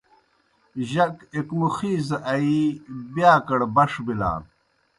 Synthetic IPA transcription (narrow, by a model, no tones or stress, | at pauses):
ʑɐkekmuxiːzɐʔɐibjaːkɐɽbɐʂbila̰ː